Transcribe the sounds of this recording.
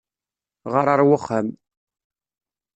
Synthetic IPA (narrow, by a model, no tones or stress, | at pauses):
ʁəɾˤəɾˤwəχːəm